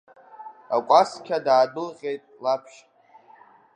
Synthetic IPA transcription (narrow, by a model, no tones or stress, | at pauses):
akʷʼaskʲʰadaːdɨlʁʲe̞jtʼlapʰʃ